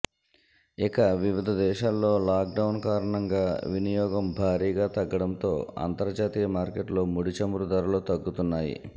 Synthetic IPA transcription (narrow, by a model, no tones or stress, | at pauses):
ikɐʋiʋid̪ʱɐd̪ɛːʃaːlːo̞ːlaːk̚ɖɐwunkaːɾɐɳɐŋɡaːʋinijɔːɡɐmbʱaːɾiːɡaːt̪ɐɡːɐɽɐnt̪o̞ːa̰ːnt̪ɐɾd͡ʒaːt̪iːjɐmaːɾkeʈlo̞ːmuɽit͡ʃɐmuɾud̪ɐɾuloːt̪ɐɡːut̪unːaːjḭ